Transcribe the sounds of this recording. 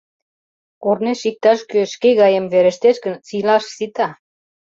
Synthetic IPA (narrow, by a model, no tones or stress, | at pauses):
orneʃik̚t̪ɑʃkøʃkeɣɑjemβeɾĕʃt̪eʃkə̆nsilɑʃsit̪ɑ